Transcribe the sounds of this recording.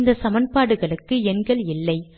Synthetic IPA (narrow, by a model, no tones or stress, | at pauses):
nd̪ɐsɐmɐnpaːɽɯɣɐɭɯkːɯɛnɡɐɭɪlːɐɪ